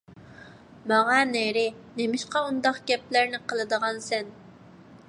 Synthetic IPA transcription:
mɑʁɑneɾɪnemɪʃqɑund̪ɑqɡʲɛplæɾnɪqʰəlˠɨd̪əʁɑnsɛn

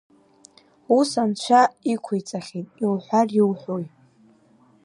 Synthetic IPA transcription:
usant͡ʃʷʰaikʷʰejt͡sʼaχʲitʼiwħʷariwħʷoj

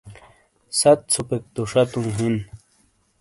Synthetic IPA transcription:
sat̪̚t͡sʰupek̚t̪uʂat̪ũŋɦin

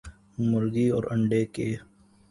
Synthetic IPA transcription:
mʊɾɡiɔːɾɐɳɖeke

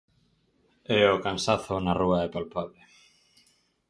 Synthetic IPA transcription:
eokansaθonaruaðepalpaβle

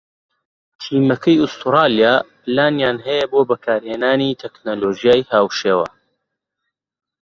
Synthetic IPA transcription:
t̪ʰiːmɐkʰɐjʊst̪uɾɑːlijaːplaːnjaːnɦɐjɐboːbɐkʰaːɾheːnaːnit̪ʰeknoloːʒijaːjhaːwʃeːwɐ̰

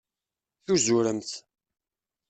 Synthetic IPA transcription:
θuzuɾəmt̪

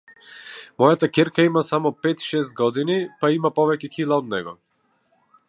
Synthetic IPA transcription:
mɔjat̪akɛɾkaimasamɔpɛt̪ʃɛs̬t̪̚ɡɔd̪inipaimapɔvɛcɛkilˠaɔd̪nɛɡɔ

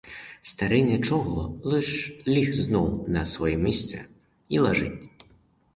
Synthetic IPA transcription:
st̪aɾɛnʲɐt͡ʃɔɦɔlˠɨʃlʲixznɔwnɐsʋɔjɛmʲisʲt̪sɛ | ilˠɐʒɪ̰tʲ

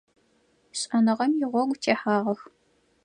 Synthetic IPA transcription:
ɕʼɐnɨʁɐmjɪʁʷɔɡʷtʰeːħaːʁɐx

